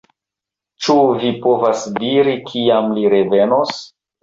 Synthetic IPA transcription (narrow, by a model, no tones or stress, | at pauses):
t͡ʃuvipo̞vasdiɾikʰiamliɾe̞ve̞nos